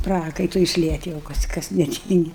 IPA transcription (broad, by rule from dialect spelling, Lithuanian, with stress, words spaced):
ˈprɑːkɐɪtʊɪ ɪʃʲˈlʲiɛtʲ jɛʊ ˈkɐs kɐs nʲɛˈtʲiːŋʲɡʲɪ